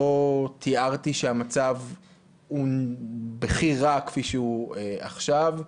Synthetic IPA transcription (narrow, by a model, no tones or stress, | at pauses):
ot̪ʰiaʁt̪iʃeamat͡sav | hu | beχiʁakfiʃeuea̰χʃav